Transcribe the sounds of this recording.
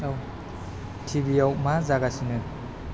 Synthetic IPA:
ow | tʰibijawmazaɡasinɯ

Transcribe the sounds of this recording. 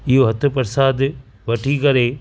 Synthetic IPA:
ijoɦɐt̪ʰːupɐɾsaːd̪ | ʋɐʈʰiːkɐɾe

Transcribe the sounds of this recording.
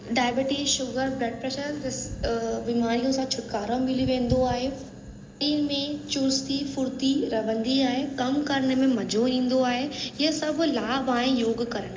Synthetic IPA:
ɖaːjbeːʈiʃʊɡəɾbɾɛːʈ̚pɾɛːʃəɾɪsbiːmaːɾijõsãt͡ɕʰʊʈ̚kaːɾõmɪliʋẽːn̆d̪oaːɦe | iːnmẽt͡ɕʊɾst̪ifʊɾt̪iɾɐbʱə̃nd̪iaːɦekɐmkɐɾɳ̃əmẽmɐd͡ʑʱoĩːn̆d̪oaːɦeɪɦəsɐbʱlaːbaːɦẽjoːɡkɐɾəɽ̃

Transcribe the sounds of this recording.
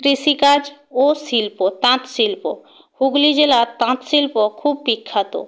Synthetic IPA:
t̪ɾisikad͡ʑosilpot̪ãt̪silpo | huɡlid͡ʑelat̪ãt̪silpokʰubbikʰːat̪o̰

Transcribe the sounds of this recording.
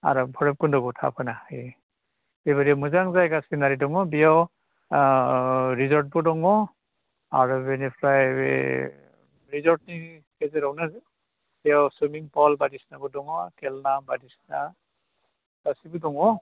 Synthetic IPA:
a̰ɹɔbʰʱɔɹɛp̚kundɔɡutʰa̰pʰanai | bebaɾimuzaŋzajɡasinaɾidɔŋɔbiɔ | ɹizɔɹt̚bɔdɔŋɔ | a̰ɹubɛnipʰɹaj̰ | ɹizɔɹt̚nikɛzɛɾɔwnaz | b̥iɔwsumiŋpɔlbadisnabɔdɔŋɔkɛlnabadisna | ɡ̥asibudɔŋɔ

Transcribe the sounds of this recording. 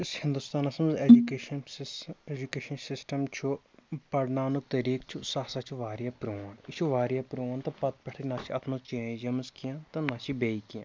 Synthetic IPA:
ɪshɪnd̪uːst̪aːnasɐmzeːd͡ʒukeːʃəneːd͡ʒukeːʃənsɪsʈəmt͡ʃʰu | pɐɾnaːnuk̚t̪ɐɾiːkt͡ʃʰusaːsaːt͡ʃʰuʋaːɾijaːpɾoːnt͡ʃʰuʋaːɾijaːpɾoːnt̪ɐpɐt̪̚pɐʈʰenaːt͡ʃʰiɐt̪ʰmət͡ʃẽːd͡ʒɐmzkijãːt̪ɐnaːt͡ʃʰibeːikijã̰ː

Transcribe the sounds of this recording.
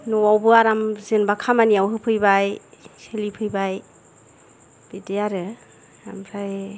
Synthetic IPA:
nɔwawbɯaɾamzɯnbakʰamaniawɦɯpʰɯjbajselipʰɯjbaj | b̥edejaɾɯ | a̰mɾaj

